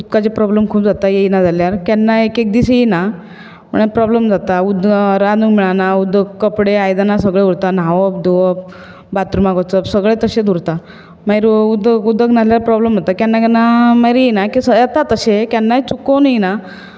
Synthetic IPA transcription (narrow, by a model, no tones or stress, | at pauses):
ut̪̚kat͡ɕepɾɔbləmkʰuːpd͡zat̪ajejnad͡zaljaɾkjanːaekek̚d̪isejina | mə̰ɳpɾɔbləmd͡zat̪aud̪ɾanuŋmiɭanaud̪əɡ̚kəpɽeajd̪anas̬əɡɭeuɾt̪anaʋəp̚d̪uʋəp̚ | bat̪ɾumaɡot͡səpsəɡɭet̪əɕed̪ʱuɾt̪a | majɾud̪əɡud̪əɡnaljaɾpɾɔbləmɦot̪akjanːakanːamajɾjejnakisəət̪at̪əɕekjanːaet͡sukonjina